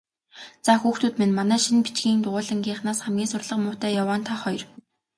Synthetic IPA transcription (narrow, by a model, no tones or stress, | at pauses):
t͡saxuːxt̪ʰuːt̪menmanæːʃinpi̥t͡ɕɡiːnt̪ʊʁʊːɮə̆ŋɡʲiːχnaːsχæmɡʲiːnsʊrɮə̆qmʊːt̪æːjawaːnt̪ʰaχɔjr